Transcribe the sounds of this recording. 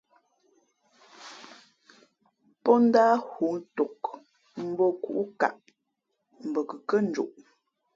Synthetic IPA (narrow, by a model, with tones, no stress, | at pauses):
pɔ˦n̩˦daː˦hu˨˦n̩to˨k | m̩˦bɔ˦kṵ˨ʔu˦ka̰˨ʔ | m̩˨bə˨kə˨kə˦n̩˦d͡ʒṵ˨ʔ